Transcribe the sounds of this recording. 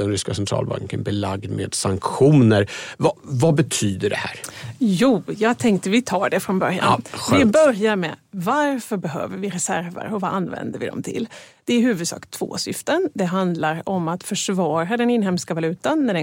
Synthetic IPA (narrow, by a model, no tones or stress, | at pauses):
ɛnɾʏskasɛnt̪ʰɾɑ̰ːlba̰ŋkə̰nbɪlaɡd̪mḛd̪saŋkɧuːnəɾvavabɛt̪ʰyːd̪əɖɛhæːɾjuːjɑːɡ̚t̪ʰɛŋk̚t̪əvɪt̪ʰɑːɖɛfɾɔnbœɾja̰nɪbœɾjaɾmɛ̰vaɾfœɾbɛɦø̰ːvəɾvɪɾɛsæɾvə̰ɾɔvaʔanːvɛ̰nd̪əvɪ̰d̪ɔ̰mt̪ʰɪ̰ld̪̥ɛæɾɦʉ̟ːvɵd̪sɑ̰ːkt̪ʰv̥o̰ːsʏft̪ənd̪ɛɦand̪laɾɔmat̪fœʂvɑːɾad̪ɛnɪnɦɛmskavalʉ̟ːt̪anːæɖɛ